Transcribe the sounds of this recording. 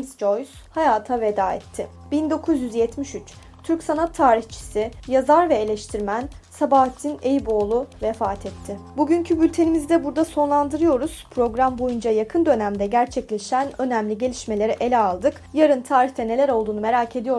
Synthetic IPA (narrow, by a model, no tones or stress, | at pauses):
sd͡ʒo̞js | hajaːt̪ʰave̞d̪aːɛ̰t̪ʰːɪbind̪o̞kʰuzjyzjɛt̪miʃyt͡ʃ | t̪ʰyɾcsanat̪ʰːaːɾiçt͡ʃʰi̥sɪjazaɾvɛelʲɛʃt̪ʰiɾmænsabaːt̪ʰinejibo̞ːlˠuvɛfaːt̪ʰɛt̪ʰːɪbuɟyɲcʰybylʲt̪ʰe̞nimizd̪ɛbuɾd̪aso̞nlˠand̪ɯɾɯjo̞ɾuz̥pʰɾo̞ɡɾambo̞jund͡ʒajakʰɯnd̪ø̞næmd̪ɛɟæɾt͡ʃʰɛclʲe̞ʃænø̞næmlʲiɟe̞lʲiʃme̞lʲe̞ɾiʔe̞lʲɛalˠd̪ɯk | jaɾɯnt̪ʰaːɾiçt̪ʰɛne̞lʲæɾo̞lˠd̪uːnume̞ɾaːcʰe̞d̪ijo̞